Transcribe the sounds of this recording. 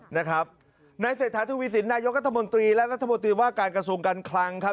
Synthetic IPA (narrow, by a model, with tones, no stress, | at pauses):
na˦˥kʰɾa˦˥p̚ | naː˧jseː˨˩t̪ʰːaː˩˦t̪ʰuː˧wiː˦˥si˩˦nːaː˧jo˦˥k̚ɾa˥t̪ʰːa˧mo˧nt̪ɾiː˧lɛ˦˥ʔɾa˦˥t̪ʰːa˧mo˧nt̪̬ɾiː˧waː˥˩kaː˧nkɾa˧su˧əŋkaː˧nkʰla˧ŋkʰa˦˥